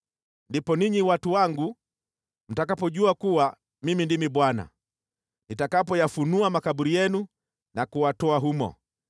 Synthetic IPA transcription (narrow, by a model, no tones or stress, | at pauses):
ndipɔniɲiwatuwaŋɡu | m̩takapɔʄuakuwa | mimindimiɓwana̰ | nitakapɔjafunuamakaɓuɾijɛnu | nakuwatɔaɦumɔ̰